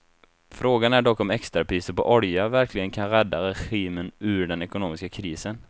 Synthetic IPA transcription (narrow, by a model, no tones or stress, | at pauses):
fɾoːɡanæɖɔkːɔmɛkst̪ɾapʰɾiːsəɾpɔʔɔɾjavæɾklɪɡənkʰanɾɛd̪ːaɾɛɧiːmənʉ̟ːɖɛnɛkʊnoːmɪskakʰɾiːsən